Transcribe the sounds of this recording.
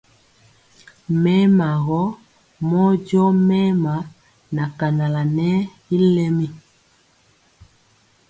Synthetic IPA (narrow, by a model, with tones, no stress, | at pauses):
mɛ˦ma˨ɣɔ˦ | mɔ˦d͡ʒɔ˦mɛ˦ma˨˦ | na˨ka˨na˨la˨nɛ˦ | i˦lɛ˦mi˦